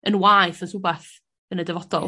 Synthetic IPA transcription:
ənwajθɔsubɛθ | ənədɛvɔdɔ̰lˠ

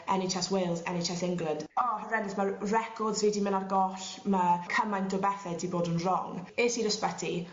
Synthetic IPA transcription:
ɛnet͡ʃʰɛswelˠzɛ̰net͡ʃʰɛsɪŋɡlənd̥ɔhəɾɛnɪsmərɛkʰɔdzriːdimənarɡɔɬməkʰəmajnd̥ɔbɛθɛdiboːdənrɔŋɪːsiɾəspətʰi

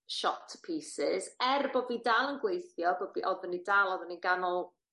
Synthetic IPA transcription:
ʃɔtʰpʰiːsɪzɛrboviːdaːlˠənɡwejθjɔboviʔɔðənidaːlˠɔðəniɡanɔlˠ

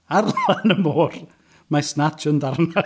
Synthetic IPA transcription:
arlanəmoːr | masnatʰəndarna

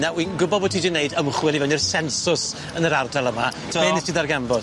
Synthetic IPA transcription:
nawinɡʊbɔvɔtʰidɪneɨdəmχwɛlˠivɛnirsɛnsʊs | ənəɾardalˠəmatʰəanɛtʰiðarɡamvɔd̥

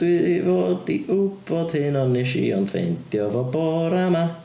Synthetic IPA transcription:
d̥wɪðivoːdiʔub̥ɔd̥hɪnɔnɪʃḭɔ̰nfḛnd̥jɔvɔbɔːɾama

